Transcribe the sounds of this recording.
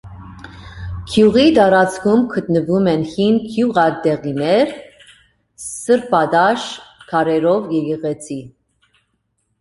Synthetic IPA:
kʰjuʁit̪ɑɾɑt͡skʰumkʰət̪nəvumɛnhinkʰjuʁɑɾd̪ɛʁinɛɾ | səɾpɑd̪ɑʃkʰɑɾɛɾɔvjɛɡɛʁɛt͡sʰi

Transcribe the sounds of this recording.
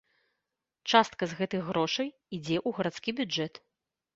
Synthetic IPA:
t͡ʂast̪kɐzɣɛt̪ɨxɣɾɔʂɐj | id͡zʲɛʔuɣɐɾat̪skʲibʲud͡ʐɛt̪

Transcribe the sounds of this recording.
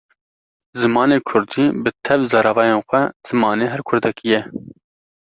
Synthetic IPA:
zɨmɑːneːkʰʊɾd̪iːbɨt̪ʰɛvzɑɾɑvɑːjeːnxʷɛz̥ɨmɑːneːɦɛɾkʰʊɾd̪ɛkijɛ

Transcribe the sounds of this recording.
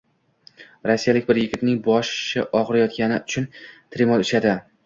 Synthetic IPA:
ɾsːijalɪkʲbɪɾjɪɡʲɪt̪nɪŋbɒʃt͡ʃaʔɒʁɨɾajɒt̪̚kʲanɪʊt͡ʃʰʊnt̪ʰɪɾɪmɒlʊʃad̪ɪ

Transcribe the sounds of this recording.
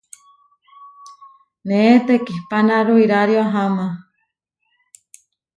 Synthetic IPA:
neet̪ekihpanaɾuiɾaɾjaɦama

